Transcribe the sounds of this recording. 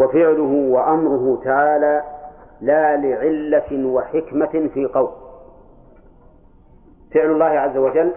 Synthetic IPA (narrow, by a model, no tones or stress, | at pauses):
wafɪʕlʊɦʊwaʔamɾʊɦʊt̪aʕaːlaːlaːlɪʕɪlːawaħɪkmafiːqɑwl | fɪʕlʊlˤːɑːhɪʕazːawad͡ʒalː